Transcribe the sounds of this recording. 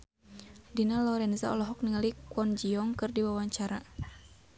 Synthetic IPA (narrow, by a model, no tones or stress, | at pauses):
dinalɔɾɛnzaɔlɔɦɔk̚niŋalikwɔnd͡ʒiɔŋkɨrdiwawaɲt͡ʃaɾa